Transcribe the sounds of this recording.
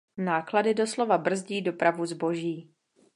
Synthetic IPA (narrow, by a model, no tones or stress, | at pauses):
naːkladɪdo̞slo̞vabr̩zɟiːdo̞pɾavuzbo̞ʒiː